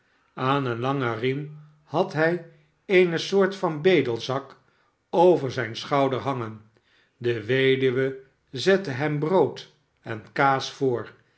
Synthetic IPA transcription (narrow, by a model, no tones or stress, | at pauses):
aːnənlɑŋərim | hɑtɦɛj | ejnəsʊːɹtfɑnbejdəlˠzɑk | owvəɹzɛjnsχɑwdəɹɦɑŋən | dəʋejdyʋə | zɛtəɦɛmbrowt | ɛnkaːsfʊːɹ